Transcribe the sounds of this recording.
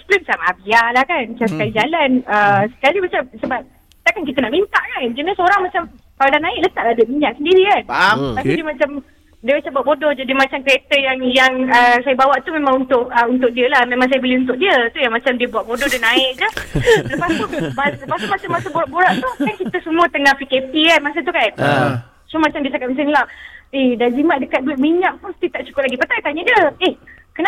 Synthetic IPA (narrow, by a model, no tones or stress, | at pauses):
splumsamaabialahkant͡ʃamsəkalid͡ʒalanəsə̥kalibat͡ʃamsəbap̚ | t̪aʔkankit̪ənaʔmint̪aʔkand͡ʒunəsəoɾaŋmat͡ʃamkaladanãɪʔ̚lət̪aʔadəmiɲaʔsəndiɾikantast̪udiəmat͡ʃam | diəbat͡ʃabuatʔ̚bodɔhd͡ʒadimat͡ʃamkəɾet̪əjaŋjaŋəsajabawaʔt̪umemãŋunt̪ʊk̚əunt̪ʊk̚diəlahmẽmaŋs̬ajəbəliunt̪̬ʊk̚diət̪ujaŋmat͡ʃamdiəbuaʔ̪̚bodɔhdinaɪʔ̚d͡ʒət̪ələpasp̪unbaələpast̪umat͡ʃamasəboɾaʔboɾaʔt̪uhkankit̪əsəmũət̪əŋahpikep̪ikanmas̬ət̪̬ukan | t͡ʃʊmat͡ʃamdiəsakat̪̚masanilahedad͡ʒimaʔ̚dəkat̪̚duɪt̪̚miɲaʔpʊnsə̥t̪it̪aʔt͡ʃu̥kʊplaɡipat̪ait̪aɲədiəɪh | kəna